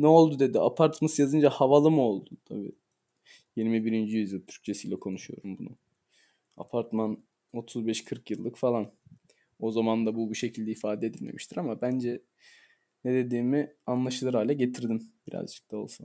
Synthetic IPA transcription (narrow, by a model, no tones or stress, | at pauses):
nɛo̞lˠd̪ud̪e̞d̪iapʰaɾt̪masjazɯnd͡ʒahavalˠɯmuo̞lˠd̪ut̪ʰa̰bḭː | jiɾmibiɾind͡ʒijyzʲimt̪ʰyɾ̥ct͡ʃʰe̞siːlʲɛkʰo̞nuʃujo̞̰ɾumbunṵ | a̰pʰaɾt̪man | o̞t̪ʰuzbɛʃkʰɯɾkjɯlˠːɯkfalˠan | o̞zamand̪abubuʃe̞cʰilʲd̪ɛifaːd̪ɛd̪ilʲme̞̰miʃt̪ʰiɾamabænd͡ʒɛ | ned̪e̞d̪iːmianlˠaʃɯlˠɯɾaːlʲɛɟe̞t̪ʰiɾd̪imbiɾa̰zd͡ʒɯ̥k̚t̪ʰao̞̰lˠsan